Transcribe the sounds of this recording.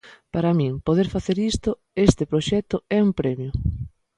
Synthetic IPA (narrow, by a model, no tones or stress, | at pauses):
paɾamĩŋpoðeɾfaθeɾist̪ʊ | est̪ɪpɾoʃɛt̪ʊɛumpɾɛmjʊ